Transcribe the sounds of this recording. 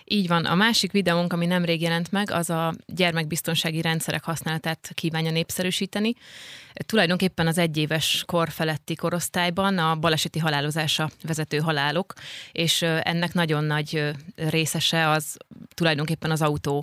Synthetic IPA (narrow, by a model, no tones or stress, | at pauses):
iːɟʋɒnʔɒ̰maːʃikʋid̪ɛuŋkɒminɛmreːɡjɛlɛnt̪mɛɡɒ̰zɒɟɛrmɛɡ̚bist̪o̞nʃaːɡiɾɛnt̪sɛɾʔɛ̰khɒsnaːlɒt̪aːt̪kiːvaːɲjɒneːpsɛɾyːʃiːt̪ɛni | t̪ulɒjd̪o̞ŋkeːpːɛnɒzɛɟːeːvɛʃko̞rfɛlɛt̪ːiko̞ɾo̞st̪aːjbɒnɒbɒlɛʃɛt̪iɦɒlaːlo̞zaːʃɒvɛzɛt̪øːɦɒlaːlo̞keːʃɛ̰nːɛknɒɟo̞nːɒɟreːsɛʃɛɒzt̪ulɒjd̪o̞ŋkeːpːɛnɒzɒut̪oː